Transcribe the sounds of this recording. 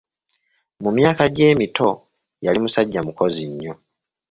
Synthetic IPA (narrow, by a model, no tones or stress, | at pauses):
mumjaːkaɟe̞ːmito̞ | jalimusaɟːamuko̞ziɲːo